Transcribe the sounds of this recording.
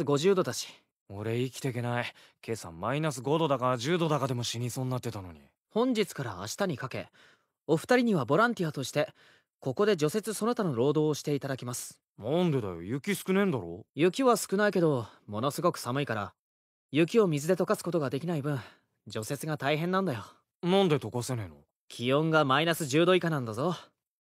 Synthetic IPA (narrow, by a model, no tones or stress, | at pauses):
ɡo̞ʑɨːd̪o̞t̪at͡ɕi̥ | o̞̰ɾe̞ikʲi̥t̪eke̞nai | kʰe̞ːsã̰mːainasɨɡo̞d̪o̞d̪akaʑɨːd̪o̞d̪akad̪e̞mo̞ɕiɲʲisõːnːat̪ːet̪ano̞̰ɲḭ | hõ̞ɲ̟d͡ʑit͡sɨ̥kaɾa̰a̰ɕi̥t̪aɲ̟ikake̞̰ | o̞ɸɯ̥t̪aɾʲiɲ̟iβabo̞ɾãnt̪ʲijat̪o̞ɕi̥t̪e̞ | ko̞ko̞d̪e̞d͡ʑo̞se̞t͡sɨso̞no̞t̪anoɾo̞ːd̪o̞ːɕi̥t̪e̞it̪ad̪akʲimasɨ̥ | nɑ̃nd̪e̞d̪a̰jo̰jɯ̟kʲisɨ̥kɯnẽ̞nd̪aɾo̰jɯ̟kʲiβasɨ̥kɯ̟naike̞d̪o̞mo̞no̞sɨɡo̞kɯ̟̥samɯ̟ikaɾa̰ | jɯ̟k̬ʲio̞mʲizɨd̪e̞t̪o̞kasɨ̥ko̞t̪o̞ɡad̪e̞kʲinaibɯ̟̃ɴ | d͡ʑo̞se̞t͡sɨɡat̪aiɦẽ̞nːãnd̪ajo̞ | nãnd̪e̞t̪okaseneino | kʲʰijõ̞ŋɡamainasɨʑɨːd̪o̞ikanãnd̪azo̞